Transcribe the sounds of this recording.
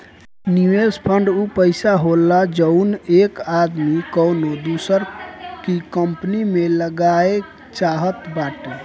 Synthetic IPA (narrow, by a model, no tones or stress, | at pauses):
niʋespʰəɳɖupəɪsaɦolːad͡ʒəʊnekad̪mikənod̪usəɾkikəmpnimeləɡae | t͡ʃaɦət̪baʈe